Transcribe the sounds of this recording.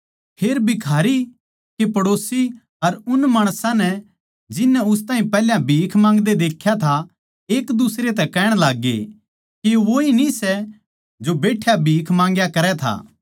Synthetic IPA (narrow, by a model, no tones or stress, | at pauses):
pʰeːɾbʱɪkʰaːɾi | kepɐɽoːsi | ɐɾʊnmaːɽ̃sãnɛ | d͡ʒɪnːɛʊs̬t̪ãːɦĩpɛːljãbʱiːkʰmãːŋɡd̪ed̪eːkʰːjat̪ʰa | eːkd̪ʊsɾet̪ɛkɛːɽ̃laːɡːḛ | kiʋoinisɛ | d͡ʒobeːʈʰːjabʱiːkʰmãːŋ̆ɡjakɐɾɛt̪ʰa̰ː